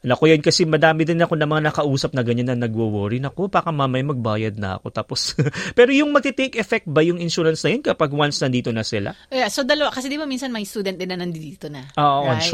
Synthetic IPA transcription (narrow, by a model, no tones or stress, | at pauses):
nɐkojɐnkɐsɛmɐd̪aːmɪd̪ɪnːɐkonɐmɐŋanɐkɐʔuːsɐp̚nɐɡɐɲanːɐnɐɡwowoːɾinɐko̞baːkɐmaːmɐjmɐɡ̚baːjɐd̪̚nɐ̰ɐ̰ko̞t̪aːpospɛːɾojʊŋmɐɡ̚kɐt̪ejkɛfɛk̚t̪̚bɐjʊŋɪnʃuːɾɐnsnɐjonkɐpaɡwansnɐnd̪iːt̪o̞nɐsɪla̰ojasod̪ɐlɐwakɐsɛd̪ibamiːnsɐnmɐjst̪uːd̪ɛn̚d̪ɪnːɐnɐnd̪id̪iːt̪onɐʔoːʔoʔɐʃ